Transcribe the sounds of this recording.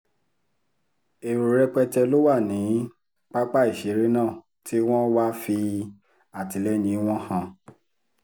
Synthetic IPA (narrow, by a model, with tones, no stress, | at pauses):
e˨ɾo˨ɾɛ˦k͡pɛ˦tɛ˧lo˦wa˦˨nĩ˨˦ | k͡pa˦k͡pa˦i˦˨ʃe˨˦ɾe˦nãː˦˨ | tʰi˦w̃ɔ̃˦wa˦fi˧ | a˨ti˨˦lɛ˦nĩ˧˦w̃ɔ̃˦hã˧